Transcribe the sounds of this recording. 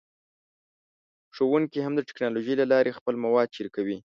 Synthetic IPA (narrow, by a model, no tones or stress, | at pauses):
ʂowuŋkiɦamd̪əʈɪ̥knɑloʒəjlalɑɾʔexpəlmawɑd̪̚t͡ʃiɾkawi